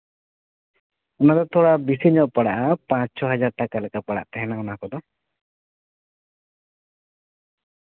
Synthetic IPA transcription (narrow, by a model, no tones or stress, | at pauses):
ɔnad̪ɔt̪ʰɔɽabisiɲɔʔpaɽaʔapãt͡ʃsɔɦad͡ʒaɾʈakalɛkapaɽa̰ʔt̪ɛɦɛnaunakɔd̪ɔ